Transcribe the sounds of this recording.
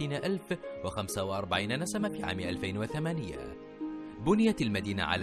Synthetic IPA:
iːnaʔalfwɪxamsawaʔɑɾˤbaʕiːnanasamafiːʕa̰ːmɪʔalfajnwaθamaːnɪja̰ | bʊnɪjat̪almad̪iːna̰ʕa̰l

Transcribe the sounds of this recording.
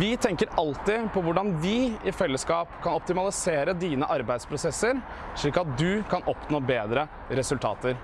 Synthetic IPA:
ʋɪt̪ʰɛŋkəɾɑlt̪ɪpʰɔʋʊɖɑnʋɪɪfɛlːəskɑːpkʰɑnɔp̚t̪ɪmɑlɪseːɾəd̪iːnəʔɑɾbæɪspʰɾʊsɛsəɾ | ʂɭiːkɑt̪̚d̪ʉkʰɑnʔɔpnoːbeːd̪ɾə | ɾɛsʉlt̪ʰɑ̰ːt̪əɾ

